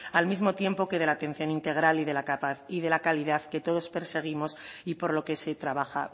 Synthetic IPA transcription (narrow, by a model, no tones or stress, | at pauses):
almizmo̞t̪je̞mpo̞keð̞e̞lat̪e̞nθjo̞nint̪e̞ɣ̞ɾaliðe̞lakapaθiðe̞lakaliðaðke̞t̪o̞ð̞o̞spe̞ɾse̞ɣ̞imo̞sipo̞ɾlo̞ke̞se̞t̪ɾaβaxa̰